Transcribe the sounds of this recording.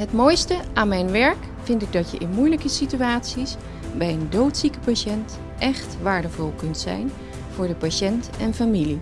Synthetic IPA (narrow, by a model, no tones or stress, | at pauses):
ɦətmojstəʔaːnmɛjnʋɛɹk | fɪntɪɡ̚dɑtjə̰ʔɪnmujləkəsityaːtsis | bɛjəndowtsikəpaʃɛnt | ʔɛχtʋaːɹdəvʊlˠkɵntsɛ̰jn | v̥ʊːɹdəpaʃɛntɛnfamili